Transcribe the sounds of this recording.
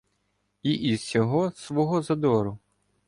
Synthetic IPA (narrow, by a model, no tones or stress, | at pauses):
iʔiz̥sʲɔɦɔsʋɔɦɔzɐd̪ɔɾʊ